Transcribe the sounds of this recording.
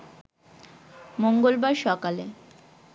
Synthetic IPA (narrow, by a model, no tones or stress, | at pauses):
moŋɡolbaɾʃɔkale